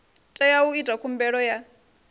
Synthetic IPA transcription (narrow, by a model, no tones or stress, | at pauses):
tʼɛjauitʼakʰumbɛɺɔja